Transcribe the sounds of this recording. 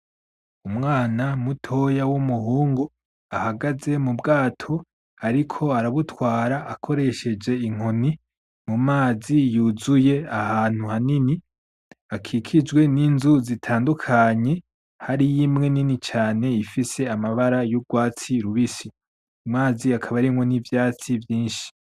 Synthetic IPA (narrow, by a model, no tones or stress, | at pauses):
umŋaːnamutʰo̞jawumuhuːŋɡo | ahaɡaze̞mubɡaːtʰo̞ | aɾikʰo̞aɾaβutwaːɾaʔakʰo̞ɾe̞ʃe̞d͡ʒe̞iŋ̥oni | mumaːzijuzuje̞ahaːn̥huhanini | akʰikʰid͡ʒɡwe̞niːnzuzitʰaːndukʰaɲe̞ | haɾijimŋe̞ninit͡ʃaːne̞ifise̞amaβaɾajuɡwaːt͡siɾuβisi | mŋaːziakʰaβaɾimŋonivjaːt͡sivjiːnʃi̥